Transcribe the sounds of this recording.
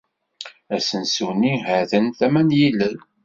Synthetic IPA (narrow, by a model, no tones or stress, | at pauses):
æsənsuniɦəθənθæmænjilːən